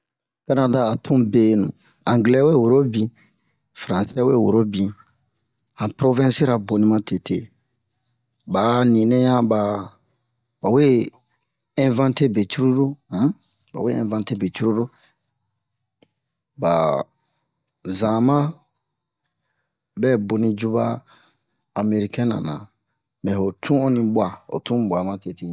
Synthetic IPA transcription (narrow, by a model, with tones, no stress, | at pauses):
ka˦nã˨da˦a˨tʰũ˦be˨nṵ̃˨ | ã˨ŋɡlɛ˦we˦˨wo˨ɾo˦bĩ˨ | fɾã˨sɛ˦we˦˨wo˨ɾo˦bĩ˨ | ã˨pɾo˦vɛ̃˦si˦ɾa˨bo˨nĩ˦mã˦te˨tʰḛ˨ | ba˨nĩ˨nɛ̃˦jã˦ba˨ | ba˨we˦ | ɛ̃˦vã˦nte˦be˨t͡ʃu˦ɾu˦do˦ | ba̰˨we˦ɛ̰̃˨vã˦nte˦be˨t͡ʃu˦ɾo˦ɾo˦ | ba˨ | zã˨mã˦ | bɛ˦˨bo˨nĩ˦d͡ʒu˦ba˦ | a˨me˧ɾi˦kɛ̃˦nã̰˨nã̰˨ | bɛ˨ho˨tʰũ˦ɔ˦nĩ˧bwa˨o̰˨tũ˦˨bʷa˨mã˦te˨te˦˨